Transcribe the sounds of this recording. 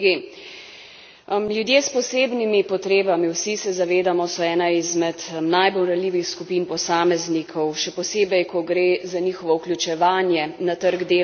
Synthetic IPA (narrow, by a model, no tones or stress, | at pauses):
ɡi | mljud̪jeːspɔseːbnimipɔt̪ɾeːbamiwsisɛzaʋeːd̪amɔsɔɛːnaizmɛt̪najbolɾalʲiːʋixskupiːnpɔsaːmɛznikʰɔwʃɛpɔseːbɛjkɔɡɾeːzaniːxɔʋɔwklʲut͡ʃɛʋaːnjɛnat̪əɾɡd̪eː